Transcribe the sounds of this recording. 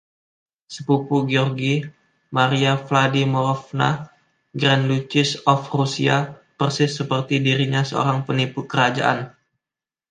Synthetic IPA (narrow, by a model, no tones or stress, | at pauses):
səpupuɡiɔrɡi | maɾiafladimɔɾɔfna̰ | ɡɾandut͡ʃɪsɔfrusiapərsɪsːəpərt̪idiɾiɲasəo̰ɾaŋpənipukəɾad͡ʒaʔa̰n